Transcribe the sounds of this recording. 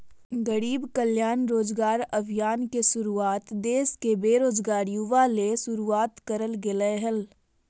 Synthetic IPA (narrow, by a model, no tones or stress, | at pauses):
ɡəɽiːbkəljaːnɾoːd͡ʒɡaːɾɐʋʱjaːnkeʃʊɾuaːt̪d̪eːskebeːɾoːd͡ʒɡaːɾjuʋaleʃʊɾuaːt̪kɐɾəlɡɪleɦəl